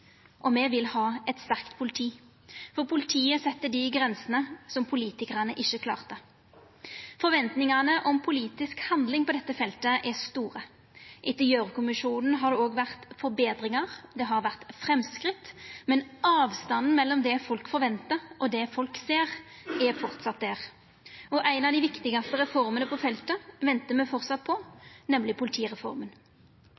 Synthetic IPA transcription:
ʔɔmɛʋɪlhɑːɛt̪st̪æʁkt̪pʰʊlɪt̪ʰiː | fɔʁpʰʊlɪt̪ʰiːəsɛt̪ːəd̪ɪɡʁɛnsənəsɔmpʰʊliːt̪ɪkəʁɑnəʔɪçːəkʰlɑ̰ːʁt̪ə | fɔɾʋɛnt̪nɪŋɑnəʔɔmpʰʊliːt̪ɪskhɑnd̪lɪŋpʰɔd̪ɛt̪ːəfɛlt̪əʔɛʁst̪uːʁə | ʔɪt̪əjøːʁəkʊmɪʂuːnn̩ɦɑʁd̪ɛoːɡʋæʁt̪fɔɾbeːd̪ɾɪŋɑʁd̪ɛɦɑɾʋæʁt̪fɾɛmskɾɪt̪ːmɛnɑːʋst̪ɑnn̩mɛlːɔmd̪ɛfɔlkfɔɾʋɛnt̪əʁʔɔd̪ɛfɔlkseːʁ | ɛɾfɔʁt̪sɑt̪̚d̪æʁ | ɔʔæɪnɑʋd̪ɪʋɪkt̪ɪɡɑst̪əɾɛfɔɾmənəpɔfɛlt̪əʋɛnt̪əmɛfɔʁt̪sɑt̪̚pʰɔnɛmlɪpʊlɪt̪ʰiːʁɛfɔ̰ɾmən

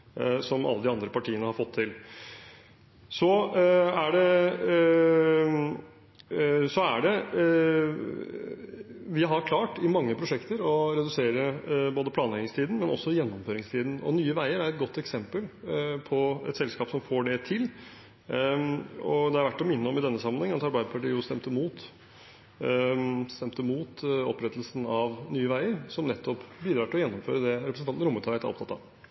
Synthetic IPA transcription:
sɔmʔɑ̰lːəd̪ɪɑnd̪ɾəpɑʈʰiːənəhɑɾfɔt̪ʰːɪl | sɔæɖɛ | sɔæ̰ɖɛ | ʋɪɦɑɾkʰlɑːʈɪmɑŋːəpʰɾʊʂɛkt̪əɾɔɾɛd̪ʉseːɾəboːd̪əpʰlɑːnlɛɡɪŋst̪ʰiːd̪n̩mɛnɔ̰sːɔjɛnːɔmføːɾɪŋst̪ʰiːd̪n̩ɔ̰nyːəʋæɪəɾæɾɛt̪̚ɡɔt̪ːɛksɛmpəlpʰɔɛ̰t̪sɛlskɑːpsɔmfoːɖɛt̪ʰɪl | ɔ̰d̪ɛhɑɾʋæʈːɔmɪnːəɔmɪd̪ɛnːəsɑmːənhɛŋənɑt̪ɑɾbæɪd̪əpʰɑʈiːjʊst̪ɛmt̪əmuːt̪ | st̪ɛmt̪əmuːt̪ɔ̰pːɾɛt̪ːəlsənɑʋnyːəʋæɪəɾsɔmnɛt̪ʰːɔpːbiːd̪ɾɑːʈʰɪlɔjɛnːɔmføːɾəd̪ɛɾɛpɾəsnɑnn̩ɾʊmːət̪ʰɑət̪ːæɾɔpt̪ʰɑt̪ːɑ̰

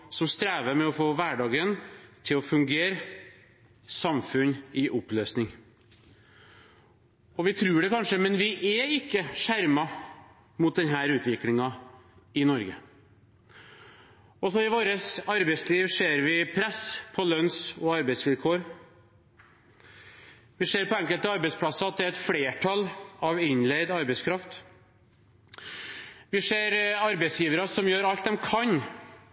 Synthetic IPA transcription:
sɔmst̪ɾæːʋəmɛɔfoːʋæɖɑːɡənt̪ʰɪlɔfʉŋɡeːɾ | sɑmfʉnɪʔɔpløːsnɪŋ | ɔʋɪt̪ʰɾʉːɖɛkʰɑnʂəmɛnʋɪʔɛɪkːəʂæɾmɑ | mʊt̪̚d̪ɛnɦæːɾʉːt̪ʰʋɪklɪŋɑ | ɪnɔɾɡə | ɔsɔɪʋoːɾəsɑɾbɛsliːʋʂeːɾʋɪpʰɾɛspʰɔlœnsɔɑɾbɛɪsʋɪlkʰoːɾ | ʋɪʂeːɾpɔɛŋkəlt̪əɑɾbɛɪspʰlɑsɑɑt̪̚d̪ɛæɾɛt̪fleːʈʰɑlɑʋɪnled̪ɑɾbɛɪskʰɾɑft̪ | ʋɪʂeːɾɑɾbɛɪsjiːʋəɾɑsɔmjøːɾɑlt̪̚d̪ɛmkʰɑɲ

